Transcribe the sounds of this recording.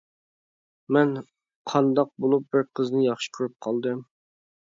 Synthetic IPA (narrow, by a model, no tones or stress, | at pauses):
mɛn | qʰɑnd̪ɑq̚bolˠup̚bɪɾqʰəznɨjɑχʃi̥kʲʰyɾyp̚qʰɑlˠd̪ɨm